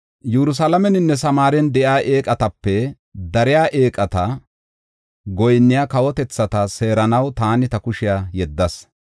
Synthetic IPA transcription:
jɛɾʊs̬ɐlɐmɛnɪnːɛsɐmaːɾɛnd̪ɛʔjaːʔe̞ːkʼɐt̪ɐpːɛ | d̪ɐɾɪjaːʔe̞ːkʼɐt̪ɐ | ɡɔjnːɪjaːkɐwɔt̪ɛt͡sːɐt̪ɐse̞ːɾɐnɐwt̪aːnɪt̪ɐkʊʃɪjaːjɛd̪ːɐs

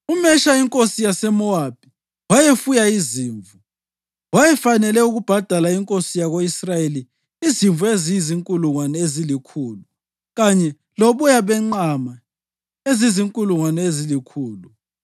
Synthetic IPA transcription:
umɛʃaiŋkʼosijasɛmɔab̥̚ʱi | wajefujaiziːɱvu | wajɛfanɛlɛuɣub̥ʱad̥ʱalaiŋkʼosijaɣoisrajeliː | ziɱvuezijiziŋkʼuluŋwanɛezilikʰuːlu | ɣaɲɛ | loβujaβɛŋ͡ǃama | eziziŋkʼuluŋwanɛezilikʰuːlu

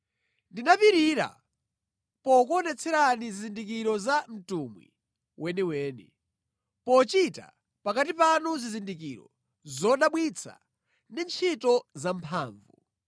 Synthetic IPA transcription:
ndinapiɾiɾa̰ | pɔkuɔnɛt͡sʰɛɾanizizindik̬iɾɔzam̩tumwḭ | wʔɛniwɛːnḭ | pɔt͡ʃita̰ | pakat̬ipanuzizindikiɾɔ̰ | zɔɗaɓwit͡sʰa̰ | ndint͡ʃʰitɔzampʰaːɱvu

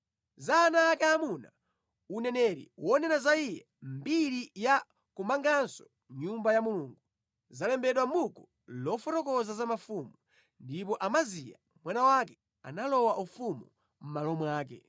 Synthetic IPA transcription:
zanaːkɛamuna | unɛnɛɾḭwɔnɛnazaijɛ | mbiɾija | kumaŋɡansɔ̥ | ɲumbajamuluːŋɡu | zalɛmbɛɗwamukɔ | lɔfɔtɔkɔzazamafumu | ndip̬ɔʔamazija̰ | mwanawakɛ | a̰nalɔwaʔufumu | m̩malɔmwaːk̬ɛ̰

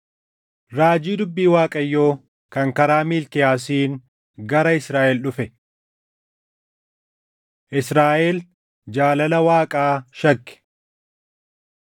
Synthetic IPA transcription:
ɾaːd͡ʒiːd̪ʊbːiːwaːkʼɐjːo̞ː | kɐŋkɐɾaːmiːlkɪjaːs̬iːŋ | ɡɐɾɐɪsɾaːʔɛlɗʊfɛ | ʔɪsɾaːʔɛl | d͡ʒaːlɐlɐwaːkʼaːʃɐkːɪ̥

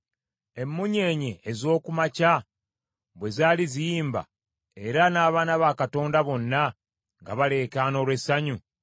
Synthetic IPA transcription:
e̞mːuɲe̞ːɲeːzo̞ːkumaca | βwe̞zaːlizijiːmba̰ | e̞ɾanaːβaːnaβakato̞ːndaβo̞nːa | ŋɡa̰βale̞ːkaːno̞ːlwe̞saɲu

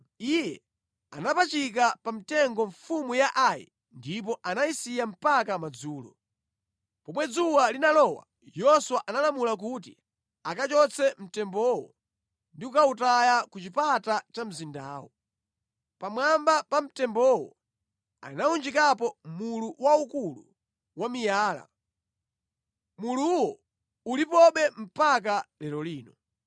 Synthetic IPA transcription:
ijɛ | a̰napat͡ʃik̬apamitɛŋɡɔɱfumujaʔajɛ̰ | ndipɔʔanaisijam̩pakamad͡zuːlɔ̰ | pɔmwɛd͡zuwalinalɔwa̰ | jɔswaʔanalamulak̬utḭ | akat͡ʃɔt͡sʰɛm̩tɛmbɔwɔ̰ | ndikukautajakut͡ʃipatat͡ʃam̩zinda̰ːwɔ | pamwambapam̩tɛmbɔwɔ̰ | a̰naund͡ʒikapɔmuluwaukulṵ | wamijaːla̰ | muluwɔ | ulipɔɓɛm̩pak̬alɛɾɔliːnɔ

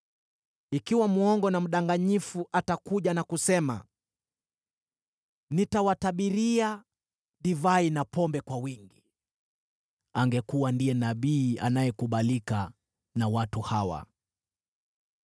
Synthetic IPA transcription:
ikiwamuɔŋɡɔnam̩ɗaŋɡaɲifuʔatakuʄanakusɛma̰ | nitawataɓiɾia | ɗivainapɔmbɛkwawiŋɡi | aŋɡɛkuwandijɛnaɓiːa̰najɛkuɓalika | nawatuhawa̰

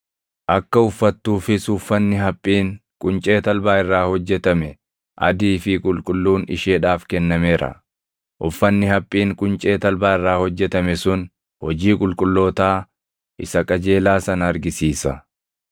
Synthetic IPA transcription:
ʔɐkːɐʊfːɐt̪ːuːfɪsʊfːɐnːɪɦɐpʼːiːŋkʼʊnt͡ʃʼe̞ːt̪ɐlbaːɪrːaːhɔd͡ʒːɛt̪ɐmɛ | ʔɐ̰d̪iːfɪkʼʊlkʼʊlːuːnɪ̰ʃeːᶑaːfkɛnːɐme̞ːɾɐ̰ | ʔʊfːɐnːɪhɐpʼːiːŋkʼʊnt͡ʃʼe̞ːt̪ɐlbaːɪrːaːhɔd͡ʒːɛt̪ɐmɛsʊn | hɔd͡ʒiːkʼʊlkʼʊlːo̞ːt̪aː | ʔɪsɐkʼɐd͡ʒe̞ːlaːsɐnɐɾɡɪsiːsɐ

